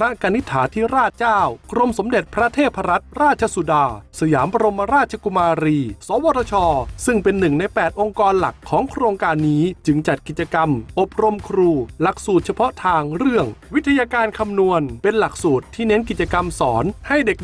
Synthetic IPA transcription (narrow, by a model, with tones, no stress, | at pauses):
pʰɾa˦˥ka˧ni˦˥t̪ʰːaː˩˦t̪ʰiː˥˩ɾaː˥˩t̪̚t͡ɕaː˥˩wkɾo˧mso˩˦mde˨˩t̪̚pʰɾa˦˥t̪ʰeː˥˩t̪̚pʰa˧ɾa˦˥t̪̚ɾaː˥˩t̪̚t͡ɕʰa˧su˨˩daː˧sa˧jaː˩˦mpa˧ɾo˧mːa˧ɾaː˥˩t̪̚t͡ɕʰa˧ku˧maː˧ɾiː˧sɔː˨˦wɔː˧t̪ʰa˧t͡ɕʰɔː˧sɯ˥˩ŋpe˧nːɯ˨˩ŋna˧jjpɛː˨˩t̪̚ʔo˧ŋkɔː˧nla˨˩kʰːɔː˩˦ŋkʰɾoː˧ŋkaː˧nːiː˦˥t͡ɕɯ˧ŋt͡ɕa˨˩t̪̚ki˨˩t͡ɕa˧ka˧mʔo˨˩p̚ɾo˧mkʰɾuː˧la˨˩k̚suː˨˩t̪̚t͡ɕʰa˧pʰɔ˦˥t̪ʰaː˧ŋɾɯ˥˩əŋwi˦˥t̪ʰːa˧jaː˧kaː˧nkʰa˧mnu˧ənpe˧nla˨˩k̚suː˨˩t̪ʰːiː˥˩ne˦˥nk̬i˨˩t̪̚t͡ɕa˧ka˧msɔː˩˦nha˥˩jde˨˩k̚